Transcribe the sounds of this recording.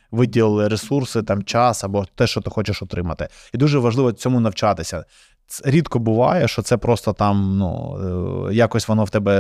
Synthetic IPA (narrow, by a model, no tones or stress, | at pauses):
ʋɪdʲilˠɪllˠɪɾesursɪt̪ɑmt͡ʃɑsɐbɔt̪ɛʃt͡ʃɔt̪ɪxɔt͡ʃɪʃʊt̪ɾɪmɐt̪ɪ | id̪uʒɛʋɐʒlˠɪʋɔt͡sʲɔmʊnɐwt͡ʃɑt̪ɪsʲɐ | ɛɾʲid̪kɔbʊʋɑ̰jɛʃt͡ʃɔt̪sɛpɾɔst̪ɔt̪ɑmnṵ | jakɔsʲʋɔnɔwt̪ɛbɛ